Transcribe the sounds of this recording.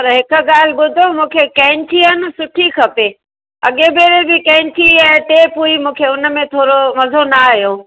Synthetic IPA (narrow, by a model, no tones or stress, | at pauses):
pɐɾɦɪkə̆ɠaːl̤ɪɓʊd̪ʱomũːkʰekɛ̃ːnʈʰiɦən̆sʊʈʰikʰɐpeː | ɐ̰ɠebʱeːɾebɪkɛ̃ːɪnʈʰiɛ̃ːt̪epuːimũːkʰeʊnə̆mẽt̪ʰoːɾoʋɐzʱonaɦijoː